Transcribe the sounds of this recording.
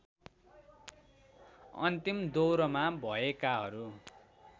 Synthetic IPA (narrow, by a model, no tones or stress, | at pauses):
ʌ̰nt̪imd̪owɾʌmabʱʌekaɦʌɾu